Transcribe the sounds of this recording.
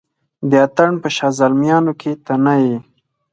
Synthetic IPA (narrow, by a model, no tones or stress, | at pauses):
d̪əat̪aɳpəʃɑzalmjɑnokʰet̪anaje